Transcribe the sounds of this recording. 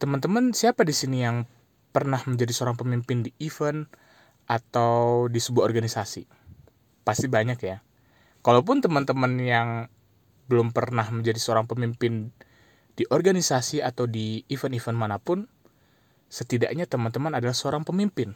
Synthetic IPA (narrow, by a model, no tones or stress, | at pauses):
t̪əmant̪əmənsiapadisinijaŋ | pərnahməɲd͡ʒadisəoɾaŋpəmimpɪndiifən | ʔat̪awdisəbuahɔrɡanisasḭ | past̪ibaɲakja | kalawp̬ʊnt̪əmənt̪əmənjaŋ | bəlʊmpərnahməɲd͡ʒadisəoɾaŋpəmimpɪn | d̥iʔɔrɡanisasiat̪awdiːfənifənmanapʊn | sət̪ida̰ʔɲat̪əmənt̪əmənadalahsəoɾaŋpəmimpɪn